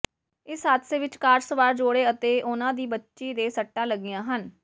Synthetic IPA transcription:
ɪsɦaːt̪ʰseːʋɪt͡ʃkaːɾsəʋaːɾd͡ʒoːɽeːət̪eːʔʊnãːd̪iːbətːʃiːd̪eːsəʈːãːləɡɪjãːɦən

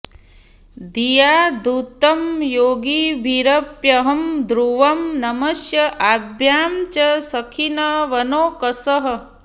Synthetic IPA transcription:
d̪ijaːd̪ut̪ɐmjoːɡiːbʱiɾɐpjɐɦɐmd̪ɾuʋɐmnɐmɐsjɐʔabʱjaːmt͡ʃɐsɐkʰinɐʋɐnoːkɐsɐɦɐ̆

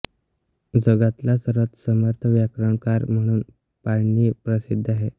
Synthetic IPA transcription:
d͡zəɡat̪lasəɾʋət̪səməɾt̪ʰəʋjakɾəɳkaɾm̤əɽ̃uːn | paɭniːpɾəsid̪ʱːaɦe

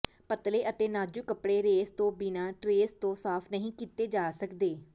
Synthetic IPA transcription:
pət̪leːʔət̪eːnaːd͡ʒuːkəpɽeːɾeːst̪õːbinãːʈɾeːst̪õːsaːpʰnəɦĩːkiːt̪eːd͡ʒaːsəkd̪eː

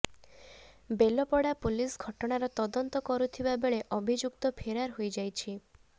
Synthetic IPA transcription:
belɔpɔɽapulisɡʱɔʈɔɽ̃aɾɔt̪ɔd̪ɔnt̪ɔkɔɾut̪ʰibabeɭeʔɔbʱid͡ʒuk̚t̪ɔpʰeɾaɾɦojd͡ʒajt͡ʃʰi

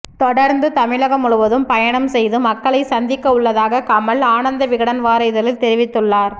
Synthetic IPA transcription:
t̪ɔɽɐɾnd̪ɯt̪ɐmɪɭɐɣɐmʊɭɯʋɐðɯmpɐjɐɳɐmsɛjðɯmɐkːɐɭɐɪsɐnd̪ɪkːɐɯɭːɐðaːɣɐkɐmɐɭaːnɐnd̪ɐʋɪɣɐɽɐnʋaːɾɐɪðɐlɪlt̪ɛɾɪʋɪt̪ːɯɭːaːɾ

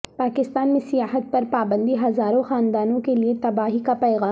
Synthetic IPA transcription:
paːkɪst̪aːnmẽsɪjaːɦət̪̚pɐɾpaːbə̃nd̪iɦɐzaːɾõxaːnd̪aːnõkeliet̪ɐbaːɦikapɛːɣaː

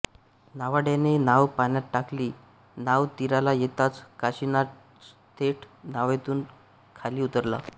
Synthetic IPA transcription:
naʋaɽjanenaʋpanjat̪̚ʈakliː | naʋt̪iɾalajet̪at͡skaɕina | t̪ʰeʈʰnaʋet̪uːn | kʰaliːut̪əɾla̰

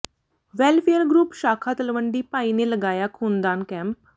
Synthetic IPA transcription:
ʋɛːlpʰejəɾɡɾuːpʃaːkʰaːt̪əlʋəɳɖiːpaːiːneləɡaːjaːkʰuːnd̪aːnkɛ̃ːmp̚

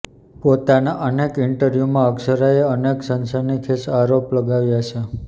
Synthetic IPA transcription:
pot̪anaʔənekɪɳʈəɾjumãəksəɾaeəneksənsanikʰesaɾopləɡaʋjat͡ʃʰe

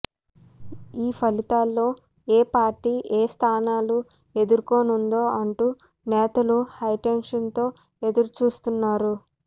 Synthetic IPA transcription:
iːpʰɐlit̪aːlːo̞ː | eːpaːɾʈiːʔeːst̪ʰaːnaːlu | e̞d̪uɾuko̞ːnund̪o̞ːʔɐɳʈuː | nɛːt̪ɐluhɐjʈenʂɐnt̪o̞ː | e̞d̪uɾut͡ʃuːst̪unːaːɾu

